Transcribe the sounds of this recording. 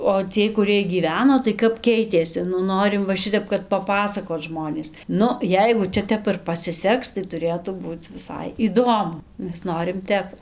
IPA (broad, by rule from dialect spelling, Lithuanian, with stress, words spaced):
oː ˈt͡sʲiɛj kʊˈrɨɛj ɡʲiːˈʋʲæːnoː tɐɪ ˈkɐp ˈkʲɛɪtʲeːsʲɪ nʊ ˈnoːrʲɪm ˈʋɐ ˈʃʲɪtʲɛp kɐt pɐˈpɑːsɐkoːt ˈʒmoːnʲeːs ˈnʊ ˈjɛɪɡʊ ˈt͡ʃʲɛ ˈtʲɛp ɪr pɐsʲɪˈsʲɛks tɐɪ tʊˈrʲeːtuː ˈbuːt͡s ʋʲɪˈsɐɪ iːˈdoːmʊ ˈmʲɛs ˈnoːrʲɪm ˈtʲɛp